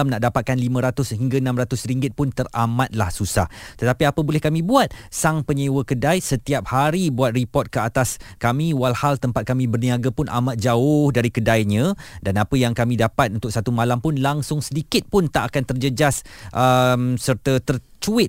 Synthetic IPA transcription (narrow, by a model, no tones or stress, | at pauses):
amnaʔdapat̪̚kanlimə̃ɾat̪ʊsɦiŋɡaənãmrat̪ʊsɾiŋɡɪt̪̚pʊnt̪əramãt̪̚lahsusaht̪ət̪apiapəbulɛhkamĩbuat̪̚saŋpəɲəwəkədajsət̪iap̚haɾibuat̪̚ripɔt̪̚kəat̪askamĩwalhalt̪əmpat̪̚kamĩbərnĩaɡapʊnʔa̰mat̪̚d͡ʒaʊhdaɾikədajɲə̃danapəjaŋkamĩdapat̪̚unt̪ʊksat̪umalampʊnlaŋsʊŋsədikɪt̪̚pʊnt̪aʔakant̪ərd͡ʒəd͡ʒasʔəmsərt̪ət̪ərt͡ʃuɪt̪̚